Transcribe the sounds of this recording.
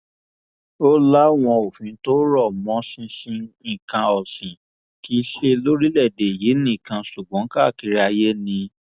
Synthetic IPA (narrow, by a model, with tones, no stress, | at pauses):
o˦la˦w̃ɔ̃˧o˨fĩ˨˦to˦ɾɔ˦˨mɔ̃˨˧˦sĩ˧sĩ˧ĩ˦˨kã˧ɔ˨sĩ˨ | ki˦ʃe˧lo˦ɾi˦lɛ˦˨de˨ji˨˦nĩ˦i˦˨kã˧su˨ɡ͡bɔ̃˨˦ka˦˨ki˧ɾi˦a˧je˦nĩ˧